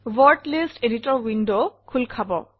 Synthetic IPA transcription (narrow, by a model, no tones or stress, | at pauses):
wɔɹdlisteditɔɹwindokʰulkʰabɔ̰